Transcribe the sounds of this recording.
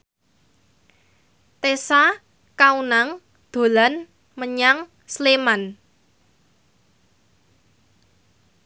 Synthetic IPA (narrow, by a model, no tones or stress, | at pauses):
t̪esa | kaunaŋ | d̪̥o̤lan | məɲaŋ | sleman